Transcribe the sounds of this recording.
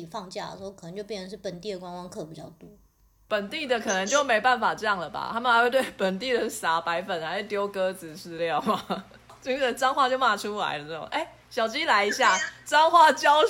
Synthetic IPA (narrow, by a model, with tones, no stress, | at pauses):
i˨˩fɑ˥˧ŋt͡ɕja˥˧˩d̪ə̰˩ʂɻ̩˧˥o˥˧˩k̪ʰə˧˦ŋt͡ɕjo˥˧pjɛ˥˩nə˩ʂɻ̩˥˩pə˨˩nt̪i˥˩d̪ə˩kwa˥nwɑ˥ŋkʰɤ˥˩pi˨˩t͡ɕjɑ̰˥˩ʊt̪u˥ | pə˨˩nt̪i˥˩d̪ə˨kʰɤ˨˩nə˧˦ŋt͡ɕjo˥˩me˧˥ɪpa˥˩nfa˨˩ʈ͡ʂɤ˥˧jɑ˥˩ŋdə˩ba̰˨t̪ʰa˥mə˨xa˧˥we˥˧t̪we˥˩ɪpə˨˩nt̪i˥˨d̪ə˩sa˨˥pa˧˥ɪfə˨˩na˧˥e˥˩t̪jo˥ʊkɤ˦d͡z̩˨ʂɻ̩˥˧ljɑ˥˩ʊma˨ | t͡ɕo˥˧˥ʈ͡ʂɑ˥ŋxwa˥˧t͡ɕjo˥˧ʊma˥˩ʈ͡ʂʰu˦la̰˧˦ɪlə˦n˥ə˥˩oʊ̰˨˩ŋʔe˥˩ɪ | ɕjɑ˨˩ʊt͡ɕi˥la˧˥ɪi˧˥ɕja˥˩ʈ͡ʂɑ˥ŋxwa˥˩t͡ɕjɑ˦ʊ